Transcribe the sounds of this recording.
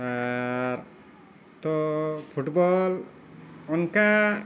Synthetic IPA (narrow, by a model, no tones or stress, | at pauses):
aɾ | t̪ɔpʰuʈbɔl | ɔnka